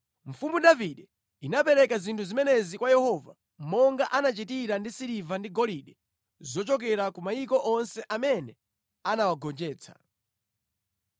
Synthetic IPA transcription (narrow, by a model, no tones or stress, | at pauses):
ɱ̩fumudaviɗɛ | inapɛɾɛkazintʰuzimɛnɛzikwajɛhɔva̰ | mɔŋɡaʔanat͡ʃitiɾandisiɾivandiɡɔliɗɛ | zɔt͡ʃɔk̬ɛɾakumaikɔʔɔnsɛʔamɛnɛ | anawaɡɔnd͡ʒɛːt͡sʰḁ̰